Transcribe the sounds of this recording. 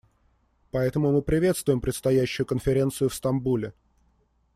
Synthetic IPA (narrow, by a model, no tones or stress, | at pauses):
pɐɛt̪əmʊmɨpɾʲɪvʲe̞t̪st̪vʊjɪmpɾʲɪt̪st̪ɐjæɕːʊjʊkənfʲɪɾʲe̞nt̪sɨjʊfst̪ɐmbulʲɪ